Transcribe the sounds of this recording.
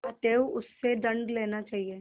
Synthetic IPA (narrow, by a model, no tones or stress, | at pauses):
aʈeːʋʊsːeɖɐ̃ɳɖleːnat͡ʃaːɦieː